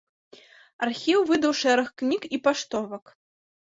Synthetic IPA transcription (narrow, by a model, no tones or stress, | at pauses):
arxʲiwvɨd̪ɐwʂɛɾɐxknʲikipaʂt̪ɔvɐk